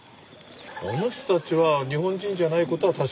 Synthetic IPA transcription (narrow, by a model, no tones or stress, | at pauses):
ono̞çʲt̪ot̪at͡ɕiβaɲ̟iɦõɲd͡ʑĩɲd͡ʑanaiko̞t̪o̞βat̪aɕ